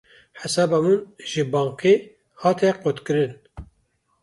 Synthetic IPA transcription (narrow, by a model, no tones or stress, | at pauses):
ħɛsɑːbɑmunʒɨbɑːŋqeː | hɑːt̪ʰɛqot̪kɨɾɨn